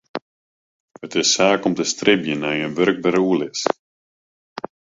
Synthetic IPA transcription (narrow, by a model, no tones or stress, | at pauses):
ətɪsːaːkɔmtəstrɪbjənajənʋøɾɡ̚bəɾuəlɪs